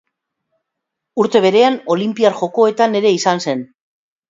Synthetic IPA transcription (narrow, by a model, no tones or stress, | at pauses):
uɾt̪e̞β̞e̞ɾe̞ano̞limpiaɾʝo̞ko̞e̞t̪ane̞ɾe̞isanse̞n